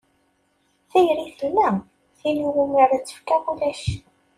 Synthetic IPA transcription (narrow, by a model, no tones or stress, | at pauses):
θæjɾiθəlmæ | θinuɾuməɾæt͡sːə̥fkæbulæʃ